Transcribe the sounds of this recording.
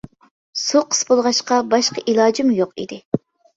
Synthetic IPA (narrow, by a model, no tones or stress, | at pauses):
suqʰə̥sbolˠʁɑʃqɑbɑʃqəʔilˠɑːd͡ʒimjoqḭd̪ɪ